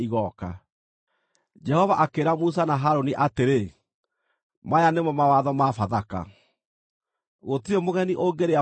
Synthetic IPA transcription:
iɣɔka̰ | d͡ʒɛhɔvaʔakeɾamus̬anaɦaɾoniʔateɾe | majanemwɔmawaðɔmafaðaka̰ | ɣotiemoɣɛniʔoɡeɾea

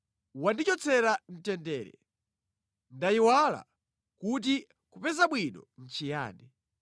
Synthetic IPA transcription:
wandit͡ʃɔt͡sɛɾan̩tɛndɛːɾɛ̰ | ndajiwala̰ | kut̬i | kupɛzaɓwinɔn̩t͡ʃija̰ːɗɛ

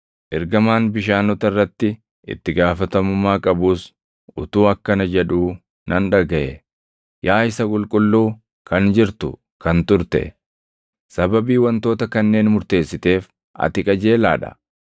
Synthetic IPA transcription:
ʔɪɾɡɐmaːnbɪʃaːnɔt̪ɐrːɐt̪ːɪ | ʔɪ̰t̪ːɪɡaːfɐt̪ɐmʊmːaːkʼɐbuːs | ʔʊt̪uːɐkːɐnɐd͡ʒɛᶑuː | nɐnᶑɐɡɐʔɛ | jaːɪsɐkʼʊlkʼʊlːuː | kɐnd͡ʒɪɾt̪ʊ | kɐnt̪ʊɾt̪ɛ̰ | sɐbɐbiːwɐnt̪o̞ːt̪ɐkɐnːe̞ːnmʊɾt̪e̞ːsːɪt̪e̞ːf | ʔɐ̰t̪ɪkʼɐd͡ʒe̞ːla̰ːᶑɐ̰

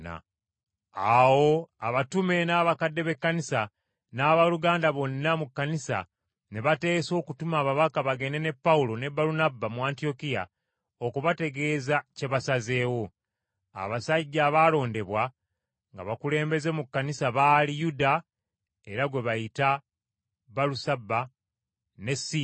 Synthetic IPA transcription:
a̰ | awo̞aβatume̞naːβakadːe̞βe̞kːanisa | naːβaluɡaːndaβo̞nːamukːanisa̰ | ne̞βate̞ːso̞ːkutumaːβaβakaβaɡe̞ne̞ne̞pːaulo̞ne̞baɾunabamuaːntio̞kija̰ | okuβate̞ɡe̞ːzaceβasaze̞ːwo̞ | a̰βasaɟːaβalo̞ːnde̞βwa | ŋɡa̰βakule̞ːmbe̞ze̞mukːanisaβaːlijuda | eɾaɡwe̞βajita | baɾusabːa | ne̞si

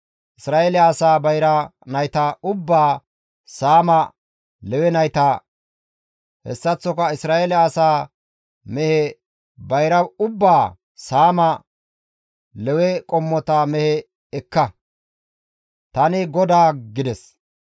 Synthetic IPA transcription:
ʔɪsɾaːʔelɪːsaːbɐjɾɐnɐjt̪aʊbːaː | saːmɐ | lɛwɛnɐjt̪ɐ | hɛ̰sːɐt͡sːɔkɐɪsɾaːelɪːsaː | mɛhɛ | bɐjɾɐʊbːaː | saːmɐ | lɛwɛkʼɔmːɔt̪ɐmɛhɛ | ɛkːɐ | t̪ɐnɪɡɔd̪aːɡɪd̪ɛs

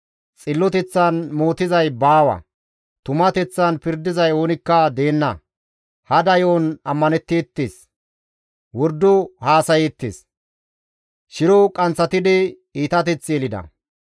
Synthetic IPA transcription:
t͡sʼɪlːɔt̪ɛt͡sːɐnmo̞ːt̪ɪzɐjbaːwɐ̰ | t̪ʊmɐt̪ɛt͡sːɐnpɪɾd̪ɪzɐjo̞ːnɪkːɐd̪e̞ːnːɐ | hɐd̪ɐjoːnɐmːɐnɛt̪ːeːt̪ːeːs | wɔɾd̪ːɔhaːsɐjet̪ːḛs | ʃɪɾɔkʼɐnt͡sːɐt̪ɪd̪ɪ | iːt̪ɐt̪ɛt͡sːjɛlɪd̪ɐ̰

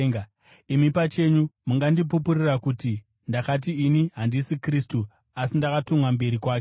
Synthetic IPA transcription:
ŋ | imipat͡ʃe̞ɲumuŋɡandip̬upurirakuti | ndakat̬iːniɦandisikristu | asindakatomwambe̞ɾikwaːke

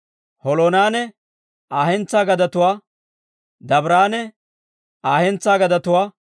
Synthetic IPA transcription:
hɔloːnaːnɛ | aːhɛnt͡sːaːɡɐd̪ɐt̪ʊwaː | d̪ɐbɾaːnɛ | aːhɛnt͡sːaːɡɐd̪ɐt̪ʊwaː

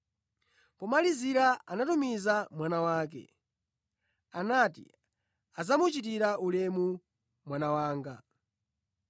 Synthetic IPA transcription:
pɔmaliziɾaanatumizamwanawaːk̬ɛ̰ | anatḭ | azamut͡ʃit̬iɾaulɛmu | mwanawaːŋɡa

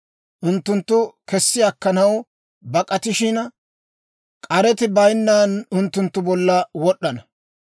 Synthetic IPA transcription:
ʔʊnt̪ːʊnt̪ːʊkɛsːɪɐkːɐnɐw | bɐkʼɐt̪ɪʃɪnɐ | kʼɐɾɛt̪ɪbɐjnːaːnʊnt̪ːʊnt̪ːʊbɔlːɐwɔɗːɐnɐ

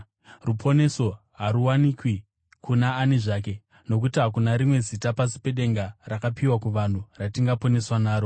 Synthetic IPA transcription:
rupʰo̞ne̞so̞ | ɦaɾuwanikwi | kunaːneʐaːk̬e̞ | no̞k̬utiɦakunaɾimwe̞zitapasi̥pe̞ɗe̞ŋɡarakapiwakuʋan̤uratiŋɡapo̞ne̞swanaːɾo̞

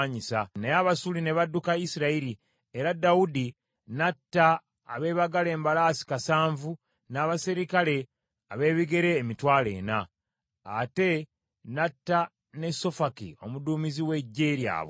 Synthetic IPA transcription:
ɲisanejaβasuline̞βadːukaisiɾaiɾi | eɾadaudi | natːaː | βe̞ːβaɡale̞ːmbalaːsi̥kasaːɱvu | naːβasiɾikale̞ | aβe̞ːβiɡe̞ɾe̞ːmitwaːle̞̰ːnaː | te̞ | natːa | ne̞so̞fakḭo̞̰muduːmiziwe̞ɟːe̞ːɾja̰ːβo̰

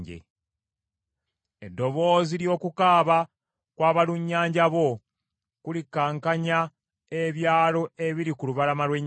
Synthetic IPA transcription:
ɟḛ | edːo̞βo̞ːziɾjo̞ːkukaːβa | kwaːβaluɲːaːɲɟaβo̞ | kulikːaːŋkaɲa | e̞βjaːlo̞e̞βiɾikuluβalamalweɲ

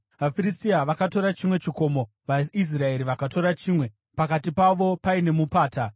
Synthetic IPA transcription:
ʋafiɾistiaʋakato̞ɾat͡ʃimwe̞t͡ʃiko̞mo̞ | ʋais̬rae̞ɾiʋakato̞ɾat͡ʃiːmwe̞ | pakatipaʋo̞paine̞mupaːta

